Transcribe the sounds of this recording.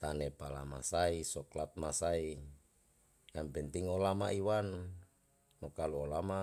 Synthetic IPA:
t̪anɛpala̰ma̰saisɔklat̪̚masai | jampɛnt̪iŋolamaiwan | mokaluolama

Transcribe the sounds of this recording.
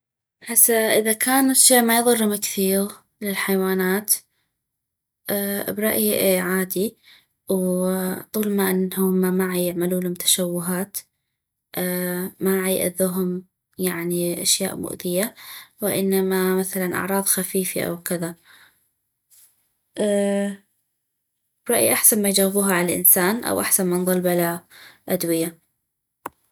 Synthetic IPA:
ħasːaʔɪðakʰaːnaʃeːʔmajðˤɨrhʊmɪkθiːɣ | lɪlħajwaːnaːt̪ | ʔːbɾˤɑʔjiʔʕaːd̪i | wt̪ˤuːlmaʔɪnːhʊmamaʕajɪʕmaluːhʊmt̪ʰḁʃawːʊɦaːt̪ | ʔmaʕjʔa̰ðːuːɦʊm | jaʕniʔa̰ʃja̰ːʔmʊ̰ʔðɪjawɪʔɪnːamamaθalanʔɑ̰ʕɾˤɑːðˤxafiːfa̰ʔa̰wkɪða | ʔ | bɾˤɑʔjḭʔaħsanmajd͡ʒawɪbuːɦaʕalalʔɪ̰nsaːnʔa̰wʔaħsanmɪnðˤɑlbʔalaʔad̪wɪja

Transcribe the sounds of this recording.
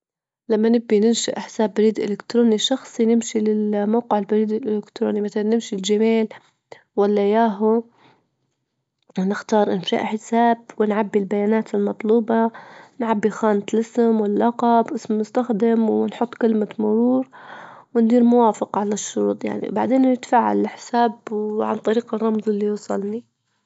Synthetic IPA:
lamːanɪbːinɪnʃa̰ʔɪħsaːbːaɾiːd̪ʔɪlɪkt̪ɾoːniʃɑxsˤinɪmʃilɪlmawqɪʕɪlbaɾiːd̪ɪlʔɪlɪkt̪ɾo̰ːnimaθalanɪmʃild͡ʒameːl | walːajaːɦʊ | nɪxt̪ɑːɾˤʔɪ̰nfa̰ːʔħɪsaːb̚wɪnʕabːilbajaːnaːt̪ɪlmɑt̪ˤluːbɑnʕabːixaːnɪt̪lɪsmwɪllːɑqɑbʔɪsmmʊst̪axd̪ɪmwɪnħʊt̪ˤːkɪlmamʊɾuːɾwɪnd̪iːɾmʊwaːfɪqʕalaʃːʊɾṵːt̪ˤja̰ʕnḭba̰ʕd̪eːnːɪt̪ḁfaːʕa̰lɪħɪsaːbwʕa̰nt̪ˤɑɾiːqɑrˤːɑmzˤɪlːijusˤɑ̰lni

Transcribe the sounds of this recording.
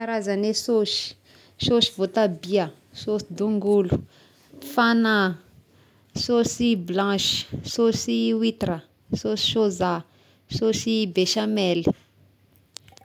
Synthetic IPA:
aɾazanesoʃi̥ | soʃivot̪abia | sosid̪uŋɡulu̥ | fana | sosiblãʃi̥sosiwit̪ɾə | sosi̥ʃoza | sosibeʃamɛli̥

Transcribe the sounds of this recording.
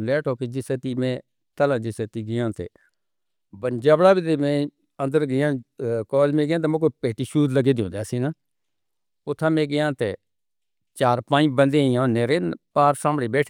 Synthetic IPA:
leːʈʰoːked͡ʒɪset̪iːmɛ̃ː | t̪əlãːd͡ʒɪseːt̪iːɡɪjãːt̪ḛː | bənd͡ʒaːbɽaːbit̪eːmẽː | ə̃nd̪əɾɡɪjãːkɔːlmẽːɡɪjãːt̪eːmõːk̬opeːʈiːʃuːd̪ləɡeːd̪õ̰ːnd̪easĩːnãː | ʊt̪ʰːãːmẽːɡɪjãːt̪eː | t͡ʃaːɾpãːbənd̪eːijãneːɾeːnpaːɾsãːmbəɽeːbeːʈʰː

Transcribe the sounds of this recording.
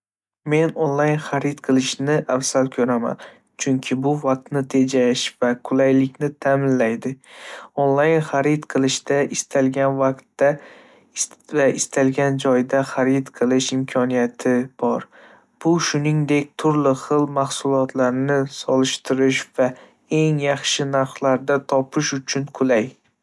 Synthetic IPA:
me̞nonlˠajnχaɾɪt̪qʰɨlˠɪʃnɪʔafsalkʰɵɾama̰n | t͡ʃʰʊŋkʲʰɪbʊvaq̚t̪nɪt̪ʰe̞d͡ʒaʃvakʰʊlajlɪkʲnɪt̪ʰamɪnlajd̪ɪonlˠajnχaɾɪt̪qʰɨlˠɪʃd̪aʔɪst̪ʰalɡʲanvaqt̪ːa | vaɪst̪ʰalɡʲand͡ʒɒjd̪aχaɾit̪qʰɨlˠɪʃɪmkʰɒnijat̪ʰɪb̥ɒɾ | b̥ʊʃʊnɪŋd̪e̞kʲt̪ʰʊɾlɪχɨlˠmaχsʊlˠɒt̪ʰlaɾnɪsɒlˠɪʃt̪ɪɾɪʃva | e̞ŋjɑχʃɪnaɾχlˠaɾd̪at̪ʰɒpʰɪʃʊt͡ʃʰʊnkʰʊlaj

